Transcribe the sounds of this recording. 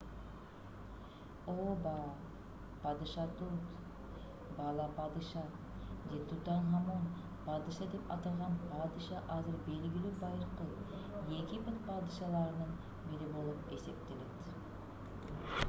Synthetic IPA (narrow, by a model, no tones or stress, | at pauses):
obɑ | pʰɑd̪ɨʃɑt̪ut̪ | bɑlˠɑpɑd̪ɨʃɑ | d̪et̪ʰut̪ɑnɦɑmon | pʰɑd̪ɨʃɑd̪epɑ̰t̪ɑlˠʁɑnpʰɑd̪ɨʃɑʔɑzɪɾbe̞lɡʲɪlybɑjɾəqə | jekʲɪbɪt̪pʰɑd̪ɨʃɑlˠɑɾənəɴ | bɪɾɪbolˠɨpesep̚t̪elet̪